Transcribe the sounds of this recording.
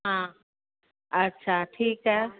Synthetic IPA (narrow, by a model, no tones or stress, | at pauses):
ɦã | ɐtːɕʰaʈʰiːkɦɛ